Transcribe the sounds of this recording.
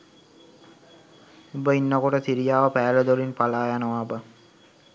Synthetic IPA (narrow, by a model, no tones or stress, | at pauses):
ubəinːəkoʈəsiɾijaːʋəpæːləd̪olinpalaːjanəʋabə